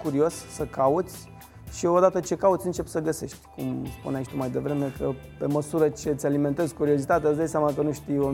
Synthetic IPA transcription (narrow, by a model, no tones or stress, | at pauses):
kuɾio̞ssəkaut̪sʲ | ʃio̞d̪at̪ət͡ʃe̞kaut̪sʲɨnt͡ʃe̞pʲsəɡəse̞ʃt̪ʲkṵmspṵneait͡ʃt̪umajd̪e̞vɾe̞me̞kʰə | pe̞məsuɾət͡ʃe̞t̪sʲalime̞nt̪e̞zʲkuɾiozit̪at̪easd̪ajsʲamakənuʃt̪ijo